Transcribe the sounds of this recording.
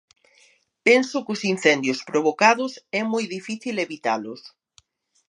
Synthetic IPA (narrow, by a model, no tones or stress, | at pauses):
pɛnsʊkʊsin̟θɛnd̪jʊspɾoβ̞okaðʊsɛmojðifiθileβit̪alʊs